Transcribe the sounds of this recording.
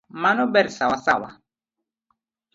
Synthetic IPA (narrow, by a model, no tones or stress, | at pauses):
manɔbɛɾsawasawa̰